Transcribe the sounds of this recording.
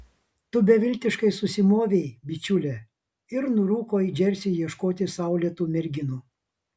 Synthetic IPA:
t̪ʊbʲɛʋʲɪlʲt̪ʲɪʃkɐɪsʊsʲɪmoːʋʲɛɪbʲɪt͡ʃʲʊlʲɛ | ɪɾnʊɾuːkoːid͡ʒʲɛɾʲsʲijiɛʃkoːt̪ʲɪsɐˑʊlʲit̪uːmʲɛɾʲɡʲɪnuː

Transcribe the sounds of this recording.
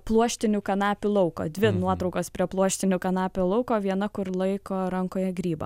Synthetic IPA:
plˠuɔʃʲt̪ʲɪnʲʊkɐnɑːpʲʊlˠɐʊko̰ːd̪ʲʋʲɪnuɔt̪ɾɔʊkoːspʲɾʲiɛplˠuɔʃʲt̪ʲɪnʲʊkɐnɑːpʲʊlˠɐʊkoːʋʲiɛnɐkʊɾlˠɐɪkoːɾɐŋkoːjɛɡɾʲiːbɐ̰

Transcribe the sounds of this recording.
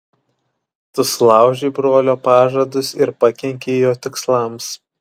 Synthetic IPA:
t̪ʊslˠɑˑʊʒʲeːbɾoːlʲoːpɑːʒɐd̪ʊsɪɾpɐkʲɛŋʲkʲeːjoːt̪ʲɪkslˠɐˑms

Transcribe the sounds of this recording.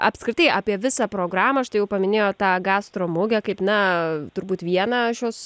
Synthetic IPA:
ʔɐ̰pskɾɪt̪ɐɪʔaːpʲiɛʋʲɪsɑːpɾoːɡɾɑːmɐːɐʃt̪ɐɪjɛʊpɐmʲɪnʲeːjoːt̪ɑːɡɑːst̪ɾoːmʊɡʲɛkɐɪpnɐt̪ʊɾbuːt̪ʋʲiɛnɑʃʲjoːs

